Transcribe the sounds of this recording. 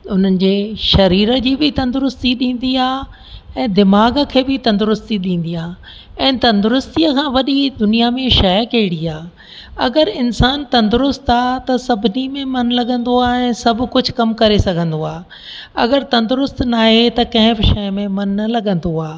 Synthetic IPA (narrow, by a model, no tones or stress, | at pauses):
ʊn̤ənɪ̆d͡ʑeːʃɐɾiːɾəd͡ʑiːbɪt̪ɐ̃nd̪ʊɾʊst̪iɗĩːn̆d̪iaː | ɛ̃ːd̪ɪmaːɡəkʰeːbɪt̪ɐ̃nd̪ʊɾʊst̪iɗĩːn̆d̪iaː | ɛ̃ːt̪ɐ̃nd̪ʊɾʊst̪iəkʰãːʋɐɗid̪ʊnijamẽʃɐjkɐɦɪɽiaː | ɐ̰ɡəɾɪnsaːnt̪ɐ̃nd̪ʊɾʊst̪aːt̪ɐsɐbʱɪnimẽmɐnlɐɠə̃nd̪oaːɛ̃ːsɐbʱkʊd͡ʑʱkɐmkɐɾesɐɡʱə̃n̆d̪oaː | ɐ̰ɡəɾt̪ɐ̃nd̪ʊɾʊst̪naːɦet̪ɐkɐ̃ɦɪ̃bɪʃɛjmẽmɐnːɐlɐɠə̃nd̪oaː